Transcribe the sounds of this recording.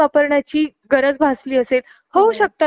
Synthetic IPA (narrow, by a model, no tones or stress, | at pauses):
apəɾɳat͡ɕiː | ɡəɾəd͡zbʱasliːəsel | howɕək̚t̪a